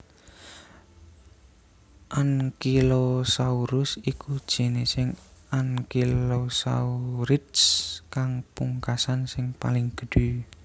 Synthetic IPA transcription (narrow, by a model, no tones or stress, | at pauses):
ʔankilosauɾʊsikud̥ʒ̥e̤nesɪŋankilosa̰uɾɪt̪skaŋpuŋkasansɪŋpa̰lɪŋɡ̥ə̥ɖ̥u